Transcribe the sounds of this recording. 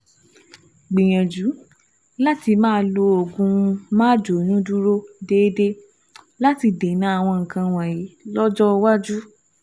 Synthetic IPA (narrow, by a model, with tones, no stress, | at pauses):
ɡ͡bĩ˨j̃ã˨d͡ʒu˨˦ | la˦ti˧mãː˦˧lo˧˦o˨ɡũ˧mã˦d͡ʒo˨nũ˦du˦ɾo˦de˦de˦ | la˦ti˧de˨˦nã˨˦a˦˨w̃ɔ̃˧ŋ̩˨kã˧w̃ɔ̃˨ji˨˦lɔ˦d͡ʒɔ˦˧wa˦d͡ʒu˦